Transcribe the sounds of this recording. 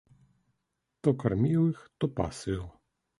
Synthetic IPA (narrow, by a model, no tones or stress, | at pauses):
t̪ɔkaɾmʲiwɪxt̪ɔpa̰sɨw